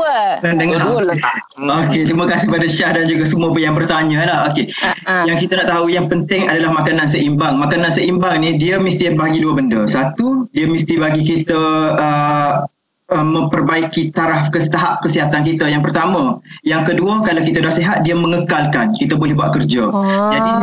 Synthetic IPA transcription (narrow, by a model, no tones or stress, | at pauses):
ədəŋa | oket̪ɾiməkasɪhpadaʃahdand͡ʒuɡasəmuəpəjaŋbərt̪aɲə̃lahokejaŋkit̪anaʔt̪aujaŋpənt̪ɪŋadalahmakanãns̬əʔimbaŋmakanãnsəimbaŋnĩdiəmist̪ibaɦaɡiduəbəndəsat̪udiəmist̪ibaɡikit̪əə | əmə̃mpərbaikit̪aɾafkəsə̥t̪aɦap̚kəsiɦat̪ank̬it̪ajaŋpərt̪amə̃jaŋkəduəkalawkit̪adahseɦat̪̚diəməŋəkalkankit̪abolɛhbuat̪̚kərd͡ʒad͡ʒadi